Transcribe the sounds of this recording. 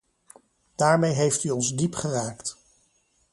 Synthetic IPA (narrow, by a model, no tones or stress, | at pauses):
d̥aːɹmejɦejftyɔnzdipχəraːkt